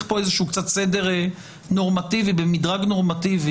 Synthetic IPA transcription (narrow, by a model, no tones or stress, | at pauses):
po̞ezeʃuːkt͡sat̪sedeʁe | no̞ʁmativibemidʁaɡno̞ʁmativi